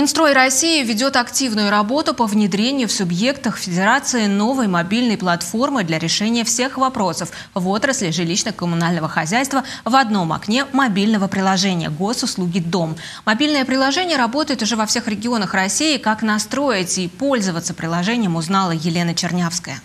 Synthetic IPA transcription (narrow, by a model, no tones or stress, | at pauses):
ɪnst̪ɾo̞jrɐsʲijɪvʲɪdʲo̞t̪ɐktʲivnʊjʊɾɐbo̞t̪ʊpəvnʲɪd̪ɾʲenʲɪjʊfsʊbje̞kt̪əxfʲɪdʲɪɾat̪sɨɪno̞vəjmɐbʲilʲnəjplˠɐt̪fo̞rmɨd̪lʲaɾʲɪʂɛnʲɪjəfsʲe̞xvɐpɾo̞səf | vo̞t̪ɾəsʲlʲɪʐɨlʲiɕnəxkəmʊnalʲnəvəxɐzʲæjst̪vəvɐd̪no̞mɐ̰knʲe̞mɐbʲilʲnəvəpɾʲɪlˠɐʐɛnʲɪjə̰ɡo̞sʊslˠuɡʲɪd̪o̞mː | ɐbʲilʲnəjəpɾʲɪlˠɐʐɛnʲɪjəɾɐbo̞t̪əjɪt̪ʊʐɛvɐfsʲe̞xɾʲɪɡʲɪo̞nəxrɐsʲijɪkakn̪ɐst̪ɾo̞jɪtʲipo̞lʲzəvət̪sə̥pɾʲɪlˠɐʐɛnʲɪjəmʊznɑlˠəjɪlʲe̞nət͡ɕɪrnʲefskəjə̰